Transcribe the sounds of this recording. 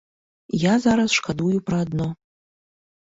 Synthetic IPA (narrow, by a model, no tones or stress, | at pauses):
jazaɾɐsʂkʰad̪ujupʰrɐːd̪no